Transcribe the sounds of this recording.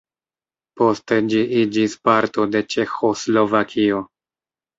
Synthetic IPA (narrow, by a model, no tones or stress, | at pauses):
po̞ste̞d͡ʒiʔid͡ʒispaɾto̞de̞t͡ʃe̞xo̞slo̞vakʰio̞